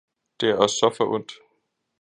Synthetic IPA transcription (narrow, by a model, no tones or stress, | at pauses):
d̥e̝æɐɒ̽sːɒ̽fɒʔɔn̰d̥